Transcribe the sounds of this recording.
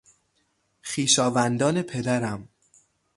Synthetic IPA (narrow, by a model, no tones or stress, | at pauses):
xiːʃɒːvænd̪ɒːne̞pʰe̞d̪æɾæm